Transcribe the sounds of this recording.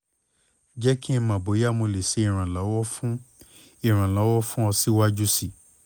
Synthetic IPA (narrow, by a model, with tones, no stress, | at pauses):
d͡ʒɛ˦ki˦ɛ̃˧mã˨bo˨˦ja˦mo˧le˨se˨˦i˦˨ɾ̃ã˨lɔ˨˦wɔ˦fũ˦ | i˨ɾ̃ã˨lɔ˨˦wɔ˦fũ˦ɔ˧si˦wa˦d͡ʒu˦si˦˨